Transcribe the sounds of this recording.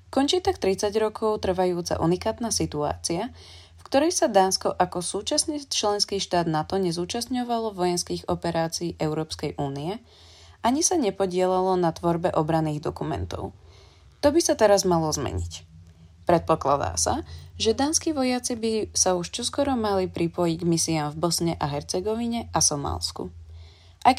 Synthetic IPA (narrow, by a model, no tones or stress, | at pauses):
kɔnt͡ʃiːt̪akt̪ɾit͡saɟɾɔkʰɔʊt̪r̩ʋajuːt͡sa̰ʔṵnikaːt̪naːsit̪ua̰ːt͡sia | fkt̪ɔɾɛjsad̪aːnskɔʔakɔsuːt͡ʃasnit͡ʃlɛnskiːʃt̪aːd̪nat̪ɔɲɛzuːt͡ʃasɲɔʋalɔʋɔjɛnskiːɣɔpɛɾaːt͡siːʔɛʊɾɔːpskɛjʔuːniɛ | aɲisaɲɛpɔɟɪɛlalɔnat̪ʋɔɾbɛʔɔbɾanːiːɣd̪ɔkumɛ̰nt̪ɔ̰ʊ | t̪ɔbisat̪ɛɾazmalɔzmɛ̰ɲḭcpɾɛt̪̚pɔklad̪a̰ːsa̰ʒɛd̪aːnskiːʋɔjat͡sibisauʃt͡ʃɔskʊɔɾɔmalipɾipɔjiɟɡmisiaːmvbɔsɲɛʔaɦɛɾt͡sɛɡɔʋiɲɛʔasɔma̰ːlskṵ | ʔajk